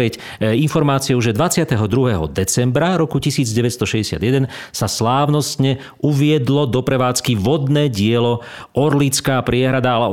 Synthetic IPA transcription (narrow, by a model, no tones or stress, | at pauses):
ɛc | infɔɾmaːt͡siɔʊʒɛd̪ʋat͡sɪat̪ɛɦɔd̪ɾuɦɛɦɔ̰d̪ɛt͡sɛmbɾaɾɔkucisiːd͡zɟɛʋɛtst̪ɔʃɛɟɛsɪa̰d̪jɛd̪ɛn | saslaːʊnɔst̪ɲɛ | uʋɪɛd̪lɔd̪ɔpɾɛʋaːt͡skiʋɔd̪nɛːɟɪɛlɔ | ɔɾlit͡skaːpɾɪɛɦɾad̪alɛ